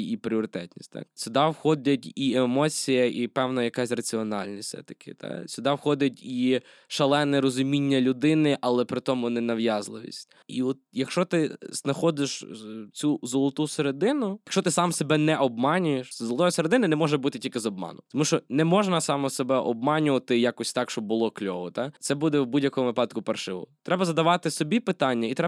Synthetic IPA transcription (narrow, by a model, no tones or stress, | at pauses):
ipɾʲɪɔɾɪt̪ɛt̪ʲnʲisʲtʲt̪ɑ̰k̚sʲʊd̪ɑwxɔdʲɐtʲiemɔt͡sʲijɐʔipɛwnɐjɐkasʲrɐt͡sʲiɔnɑ̰lʲnʲisʲsɛ̰t̪ɐ̥kʰɪ̰t̪ɑ̰sʲʊd̪ɑwxɔd̪ʲɐtʲi | ʃɐlˠɛnɛɾɔzʊmʲinʲːɐlʲʊd̪ɪnɪʔɐlˠɛpɾɪt̪ɔmʊnɛnɐʋjɑzlˠɪʋʲḭsʲtʲ | iɔt̪̚jɐkʃt͡ʃɔt̪ɪznɐxɔd̪ɪʃt͡sʲuzɔlˠɔt̪useɾed̪ɪnʊjɐkʃt͡ʃɔt̪ɪsɑmsebɛnɛʔɔb̚mɑnʲʊjeʃzɔlˠɔt̪ɔjɐseɾed̪ɪnɐnɛmɔʒɛbut̪ɪtʲilʲkɪzɔb̚mɑ̰nʊt̪ɔmuʃt͡ʃɔnɛmɔʒnɐsɑmɔsɔbɛʔɔb̚mɑnʲʊʋɐt̪ɪjakɔsʲt̪ɑkʃt͡ʃɔbbʊlˠɔklʲɔʋɔt̪ɑsɛbud̪ɛwbudʲjɐkɔmʊʋɪpɑd̪̚kʊpɐrʃɪʋɔ̰t̪ɾɛbɐzɐd̪ɐʋɑt̪ɪsɔbʲipɪt̪ɑnʲːɐit̪ɾɛ